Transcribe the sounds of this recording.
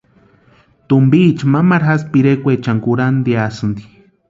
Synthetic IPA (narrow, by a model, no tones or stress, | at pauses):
t̪umbiːt͡ʃmamaɾxaspiɾekʷet͡ʃaŋkuɾand̪iasɨnd̪i̥